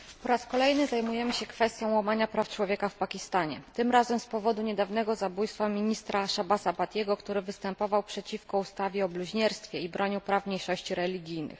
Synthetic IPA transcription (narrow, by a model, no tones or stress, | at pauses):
pɔɾaskɔlɛjnɘzajmujɛmɘɕɛkfɛst̪ʲjɔ̃w̃wamaɲapɾaft͡ʂwɔvʲjɛkafpakʲist̪aɲɛ̰t̪ɘmɾazɛmspɔvɔd̪uɲɛd̪avnɛɡɔzabujst̪famʲiɲist̪ɾaʂabasapat̪ʲjɛɡɔkt̪uɾɘvɘst̪ɛmpɔvawpʂɛt͡ɕifkɔust̪avʲjɛɔbluʑɲɛɾst̪fʲjɛibɾʔɔɲupɾafmɲejʂɔɕt͡ɕiɾɛlʲiɡʲijnɘ̰x